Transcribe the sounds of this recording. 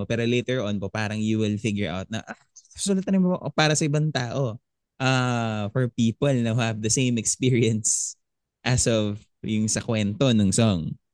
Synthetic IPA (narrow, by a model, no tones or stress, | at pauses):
opɛːɾolejt̪ɛɹʔɔnpopaːɾɐŋjuwɪlfɪɡjʊɹʔa̰wt̪̚nɐ̰ʔa | sʊlɐt̪ɐnɪmoɐʔpaːɾɐsɐʔɪbaŋt̪aːʔo | ʔafɔɹpiːpɐlnɐhɐvd̪ɐsẽj̃mɛkspiɹiɐns | ʔɐsɔv | jʊŋsɐkwɛnt̪onʊŋsɔŋ